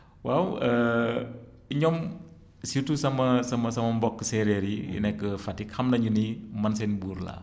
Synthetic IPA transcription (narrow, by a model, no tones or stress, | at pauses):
wawə | iɲɔm | situsɐmɐsɐmɐsɐmɐmbɔkːəsɛɾɛɾijḭnɛkːəfɐtːikhɐmnɐɲunimɐns̬ɛnbuːɾla̰